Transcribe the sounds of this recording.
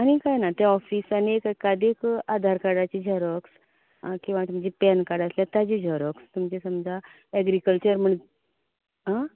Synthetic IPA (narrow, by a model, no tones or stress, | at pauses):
aɽ̃ikajnat̪aɔfiːsaniekkːad̪ekad̪ʱaɾkaɽat͡ɕid͡ʑʱəɾɔks | kĩw̃ʋat̪umt͡ɕiːpɛnkaɽəsljat̪ad͡ʑid͡ʑʱəɾɔkst̪umt͡ɕesəmd͡zʱa | ɛɡɾikəlt͡ɕəɾm̤əɳ | ɦa